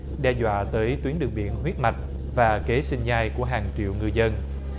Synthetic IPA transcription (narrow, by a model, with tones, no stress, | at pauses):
ɗɛ˧zwa̰ː˧˨t̪əː˨˦jt̪wi˨˦ənɗɨ˨˩ək̚ɓḭ˧˨ənɦwi˦˥ət̚ma˨˩jk̟̚ | vaː˨˩ke˨˦sï˧ŋzaː˧jku˧˩əɦaː˨˩ŋt͡ɕḭ˧˨əwŋɨ˧jzə˧n